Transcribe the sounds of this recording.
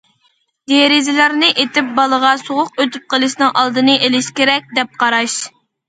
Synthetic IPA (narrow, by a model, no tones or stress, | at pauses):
d̪eɾɪzɪlæɾnɨʔet̪ɪp̚bɑlˠəʁɑsoʁʊqøt̪y̥p̚qəlˠɨʃnɨŋʔɑlˠd̪ɨnɨʔelɪʃkʲeɾɛk̚ʲd̪ɛp̚qʰɑɾɑʃ